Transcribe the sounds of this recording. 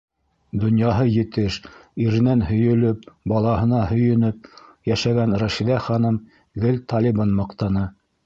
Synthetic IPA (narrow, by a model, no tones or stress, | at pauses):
d̪ŏnjɑɦɤjɘ̆t̪ɘʃiɾɘ̆nænhɵ̆jɵ̆lɵp̚bɑlˠɑɦɤ̆nɑhɵ̆jɵ̆nɵp̚jæʃæɡænɾæʃiðæχɑnɤm | ɡɘlt̪ɑlʲibɑnmɑqt̪ɑnɤ